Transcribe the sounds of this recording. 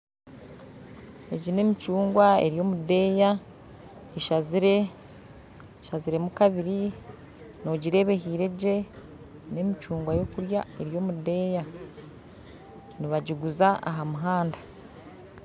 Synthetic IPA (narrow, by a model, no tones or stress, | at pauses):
eɟine̞ːmit͡ʃuːŋɡwae̞̰ɾijo̞ːmude̞ja | eʃaziɾe | ʃaziɾe̞mukaβiɾi | no̞ɟiɾe̞ːβe̞ɦiːɾe̞ɟe̞ | ne̞mit͡ʃuːŋɡwajo̞kuɾjae̞ɾjo̞ːmudeja | niβaɟiɡuzaʔa̰ɦamuɦaːnda